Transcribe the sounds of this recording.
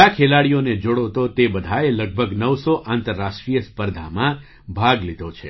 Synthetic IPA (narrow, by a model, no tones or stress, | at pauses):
akʰelaɽijoned͡ʒoɽot̪ot̪ebəd̪ʱaeləɡ̚bʱəɡnəʋsoʔãnt̪əɾːaʂʈɾijəspəɾd̪ʱamã | bʱaɡlid̪ʱot͡ʃʰe